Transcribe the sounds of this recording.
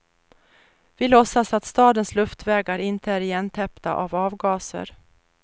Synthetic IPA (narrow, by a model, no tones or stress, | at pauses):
vɪlɔsːasat̪st̪ɑːd̪ənslɵft̪vɛːɡaɾɪnt̪əæɾɪjɛnt̪ʰɛpt̪a̰ʔavɑːvɡɑːsə̰ɾ